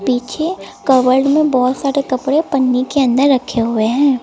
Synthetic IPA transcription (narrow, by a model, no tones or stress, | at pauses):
piːt͡ʃʰekəʋəlɖmẽbɔːt̪saːɾekɐpɽepɐnːikeɐ̃nd̪əɾːɐkʰːeɦʊeɦɛ̃ː